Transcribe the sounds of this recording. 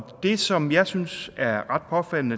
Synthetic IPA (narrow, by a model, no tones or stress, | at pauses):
d̥e̝sɒ̽mjɑ̈ɪsynsæɐʁɑ̈d̥̚pʰɒ̽fæl̰nə